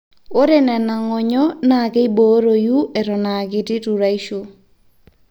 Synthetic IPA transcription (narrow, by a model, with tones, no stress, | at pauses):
o˦ɾe˦nɛ˨na˨ŋɔ˨ɲɔ˦na˨kɛ˦i˦bo˨˦ɾo˨ju˦ʔɛ˨ɾɔ˨na˨ɡɪ˦tɪ˦tu˨ɾa˦i˦ʃo˦